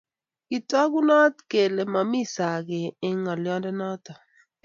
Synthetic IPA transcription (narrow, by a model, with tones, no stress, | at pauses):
kɪ˨tɔ˦ɡu˦nɔ˦tke˨le˨ma˨mi˦sa˨ɡɪ˨ɪ˨˦ŋɔ˨ljɔ˦ndɛ˦nɔ˦tɔ˨